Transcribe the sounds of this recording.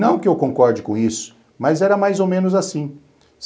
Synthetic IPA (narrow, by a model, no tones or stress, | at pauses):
nɐ̃w̃kɪewkõkɔɾd͡ʒɪkõisʊ̥ | mɐzɛɾɐmajzowmẽnʊzasĩ | s